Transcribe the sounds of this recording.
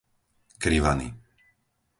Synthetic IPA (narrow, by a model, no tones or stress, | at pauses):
kɾiʋa̰nḭ